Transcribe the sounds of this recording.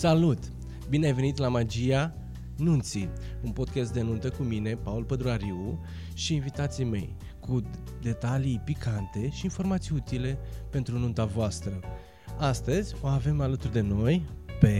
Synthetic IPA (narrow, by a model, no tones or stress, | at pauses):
salut̪ | bineajve̞nit̪lamad͡ʒija | nunt̪si | unpo̞d̪̚kʲast̪̚d̪e̞nunt̪əkumine̞paulpəd̪ɾuaɾiu | ʃiːnvit̪at̪sijme̞̰j | ku | d̪e̞t̪alijpikʰant̪e̞ʃiːnfo̞rmat̪sijut̪ile̞pe̞nt̪ɾununt̪avoast̪ɾə | ast̪əzʲo̞ave̞malət̪urd̪e̞no̞jpe̞